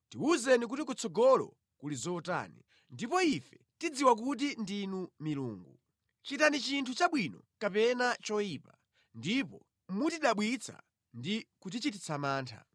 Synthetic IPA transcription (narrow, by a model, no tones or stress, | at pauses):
tiuzɛnik̬utikut͡sʰɔɡɔlɔ̰ | kulizɔta̰nḭ | ndipɔifɛ | tid͡ziwak̬ut̬indinumilṵːŋɡu | t͡ʃitanit͡ʃintʰut͡ʃaɓwinɔ | kapɛnat͡ʃɔiːpa | ndipɔ | mutiɗaɓwit͡sʰa̰ | ndikut̬it͡ʃitit͡sʰamaːntʰa̰